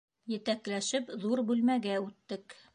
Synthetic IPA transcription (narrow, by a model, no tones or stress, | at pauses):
jɘ̆t̪æklæʃɘpðuɾbʉlmæɡæʉt̪ːɘk